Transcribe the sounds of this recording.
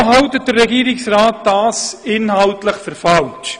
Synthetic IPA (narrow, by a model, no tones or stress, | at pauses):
ɦɑwtət̚d̥əɾːɛɡiːɾɪksrɑːt̚d̥ɑːsɪnhɑwtləχfəɾfɑlʃ